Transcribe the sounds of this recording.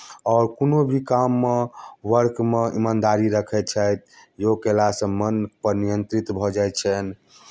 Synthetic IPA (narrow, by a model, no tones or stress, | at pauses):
ɔːɾkonobʱikamːeʋəɾkmeḭmand̪aɾiɾəkʰɛt̪̚t͡ʃʰəjt̪̚jokelasə̃mənpəɾnijənt̪ɾit̪bʱɔd͡ʒajt̪t͡ʃʰɛn